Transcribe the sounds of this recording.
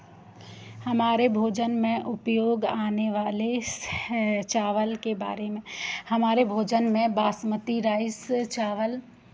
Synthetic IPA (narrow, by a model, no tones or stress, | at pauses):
hɐmaːɾebʱoːd͡ʒənmẽʔʊpjoːɡaːneʋaːle | t͡ʃaːʋəlkeba̰ːɾemẽhɐmaːɾebʱoːd͡ʒənmẽbaːsmət̪iɾaːɪst͡ʃaːʋəl